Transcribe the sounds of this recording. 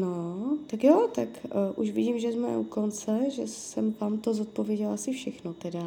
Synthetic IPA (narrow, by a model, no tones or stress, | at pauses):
not̪akjot̪akʔuʃvɪɟiːmʒɛzmɛ̰ʔukont͡sɛʒɛsɛmvaːmt̪o̞zot̪̚po̞vjɛɟɛlasɪfʃɛxnot̪ɛda